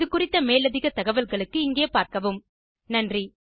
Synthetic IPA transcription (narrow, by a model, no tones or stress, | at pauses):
ɯkːʊrɪt̪ːɐmeːlɐðɪɣɐt̪ɐɣɐʋɐlɣɐɭɯkːɯɪŋɡeːpaːɾkɐʋɯm | nɐndri